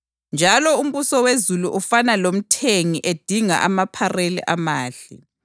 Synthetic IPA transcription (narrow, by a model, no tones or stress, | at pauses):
nd͡ʒʱalɔum̩βusɔwezuluʔufanalom̩tʰeŋiʔed̥ʱiŋa̰ʔamapʰarelḭʔamaːɬḭ